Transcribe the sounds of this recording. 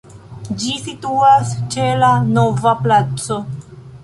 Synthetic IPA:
d͡ʒisituast͡ʃe̞lano̞vaplat͡so̞

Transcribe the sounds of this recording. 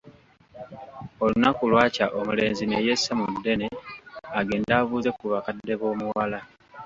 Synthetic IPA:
o̞lunakulwaːcaʔomule̞̰ːnzine̞jesːamudːe̞neaɡe̞ːndaːβuːze̞kuβakadːe̞βo̞ːmuwala

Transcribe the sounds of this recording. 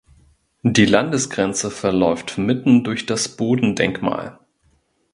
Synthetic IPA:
diːlandəsɡ̥ʁɛnt͡səfɛɐlɔʏftmɪtn̩dʊɐçd̥asb̥oːdn̩dɛ̰ŋkma̰ːl

